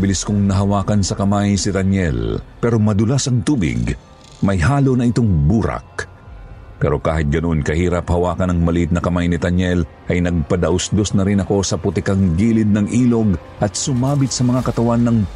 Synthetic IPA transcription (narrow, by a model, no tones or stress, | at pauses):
bɪliskoŋnɐɦɐwaːkɐnsɐkɐmajsɪd̪ɐnjɛ̰lpɛɾo̞mɐd̪ʊlasɐŋt̪uːbɪ̰ɡ | mɐjɦaːlonɐɪt̪oŋbuːɾɐ̰k̚ | pɛɾo̞ka̰ːɦɪt̪̚ɡɐno̞nkɐhiːɾɐphɐwaːkɐnɐŋmɐliʔɪt̪̚nɐkɐmajnɪt̪ɐnjɛl | ʔɐjnɐɡ̚pɐd̪ɐʔʊsd̪osnɐɾɪnɐko̞sɐpʊt̪ɪkaŋɡiːlɪd̪̚nɐŋʔiːlo̞ɡ | ʔɐt̪̚sʊmaːbɪt̪̚sɐmɐŋakɐt̪ɐwanːɐŋ